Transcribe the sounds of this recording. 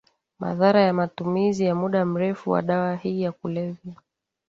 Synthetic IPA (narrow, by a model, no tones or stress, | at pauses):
ma̰ðaɾajamatumizijamuɗam̩ɾɛfuwa̰ɗawahiːjakulɛvja